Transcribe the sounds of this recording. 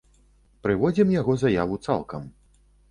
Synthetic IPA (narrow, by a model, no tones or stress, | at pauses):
pɾɨvɔd͡zʲimjaɣɔzajavut̪sa̰lˠkɐm